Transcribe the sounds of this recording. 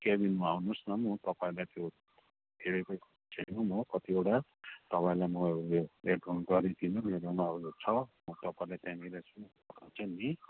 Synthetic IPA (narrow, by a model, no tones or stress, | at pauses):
kebinmaɦunosnʌmʌt̪ʌpãĩlajt̪jo | eɽekʌj | t͡sʰenũmʌkʌt̪iewʈat̪ʌpaĩlajmʌeʈɡunɡʌɾid̪ʰʱinũmeɾamauot͡sʰʌmʌt̪ʌpãĩlajt̪jãmiɾasʰũ | ʌt̪ʰat͡sʰʌni